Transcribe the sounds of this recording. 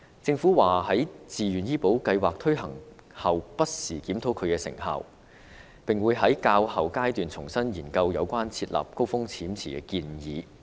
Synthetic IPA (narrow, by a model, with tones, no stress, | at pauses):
t͡sɪ˧ŋfuː˨˥waː˨hɐ˨˥jt͡siː˨jyː˨˩njiː˥po˨˥wkɐ˧jwaː˨k̚t̪ʰɵ˥ɥɦɐ˨˩ŋ | hɐ˨wpɐ˥t̚siː˨˩kiː˨˥mt̪ʰo˨˥wkʰɵ˨˧ɥkɛː˧sɪ̰˨˩ŋha̰ː˨w | pɪ˨ŋwuː˨˧jɦɐ˨˥jkaː˧whɐ˨wkaː˥jt̪yː˨nt͡sʰʊ˨˩ŋsɐ˥njiː˨˩nkɐ˧wjɐ˨˧wkʷaː˥nt͡sʰiː˧t̚la̰ː˨˩p̚ko˥wfʊ˥ŋt͡sʰiː˨˥mt͡sʰiː˨kɛ̰ː˧kiː˧njiː˨˧